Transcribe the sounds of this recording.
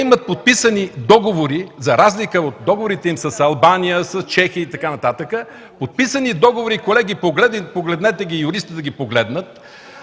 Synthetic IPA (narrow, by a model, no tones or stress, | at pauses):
imət̪̚pot̪̚pisənid̪ɔɡovoɾizɐɾazlikəot̪̚d̪ɔɡovoɾit̪ɛimsɐsɐlˠbanijəsɐst͡ʃɛxiəit̪ɐkanɐt̪at̪əkə | pot̪̚pisənid̪ɔɡovoɾikolɛɡʲipoɡlɛd̪poɡlɛd̪nɛt̪ɛɡʲijʊɾist̪id̪ɐɡʲipoɡlɛd̪nət̪̚